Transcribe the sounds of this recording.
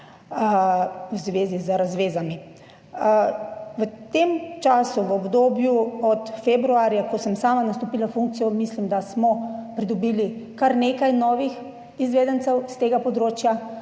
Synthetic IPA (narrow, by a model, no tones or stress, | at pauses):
əwzʋeːzizəɾazʋeːzami | ʋət̪emt͡ʃaːsuʋɔbd̪oːbjuɔt̪febɾuaːɾjakɔsəmsaːmanast̪oɔpiːlafuŋk̚t̪sijɔmislimd̪asmɔpɾid̪ɔbiːlikaɾnekajnɔːʋix | izʋeːd̪ənt̪sɛwst̪eːɡapɔd̪ɾoːt͡ʃja